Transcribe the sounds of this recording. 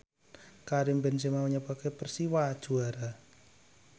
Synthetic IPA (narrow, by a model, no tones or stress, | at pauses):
kaɾimbɛnsɛmauɲapakepərsiwad̥ʒ̥ṳaɾa